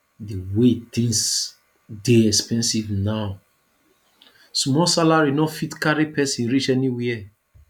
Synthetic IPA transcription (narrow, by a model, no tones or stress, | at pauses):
diwet̪ĩŋs | deɛkspɛ̃nsivnaw | smɔsalaɹinɔfitkaɹipɛsĩnɹit͡ʃɛniwiɛ